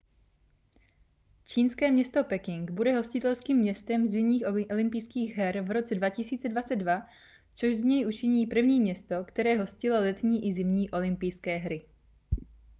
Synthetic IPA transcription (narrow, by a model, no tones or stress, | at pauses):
t͡ʃiːnskɛːmɲɛst̪o̞pɛkɪŋɡbudɛɦo̞scɪt̪ɛlskiːmːɲɛst̪ɛmzɪmɲiːxʔoolɪmpɪjskiːɣɦɛɾvɾo̞t͡sɛdvacɪsiːt͡sɛdvat͡sɛd̪dva | t͡soʒzɲɛjʔut͡ʃɪɲiːpr̩vɲiːmɲɛst̪o̞kt̪ɛɾɛːɦo̞scɪlolɛt̪ɲiːʔɪzɪmɲiːʔo̞lɪmpɪjskɛːɦɾɪ